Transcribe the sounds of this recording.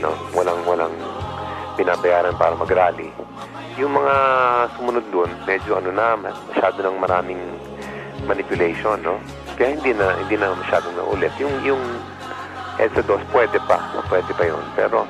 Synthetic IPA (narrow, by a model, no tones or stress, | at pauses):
no̞̰wɐlaŋwɐlaŋ | pɪnaːbɐjaːɾɐnpaːɾɐmɐɡɾaːlḭ | jʊŋmɐŋasʊmʊnod̪̚ːonmɛːd͡ʒoʔɐnonɐmmɐʃaːd̪onɐŋmɐɾaːmɪŋ | mɐnɪpjʊlɛjʃonːo̞ | kɐjaːhɪnd̪inɐhɪ̰nd̪inɐmɐʃaːd̪oŋnɐ̰ʔṵlɛt̪jʊŋjʊŋ | ʔɛ̰d̪sɐd̪ospwɛːd̪ɛpa̰pwɛːd̪ɛpɐjo̰npɛ̰ːɾo̞